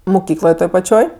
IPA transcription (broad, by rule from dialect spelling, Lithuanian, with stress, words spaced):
mʊˈkʲiːklˠoːj ˈtoːj pɐˈt͡ʃʲoːj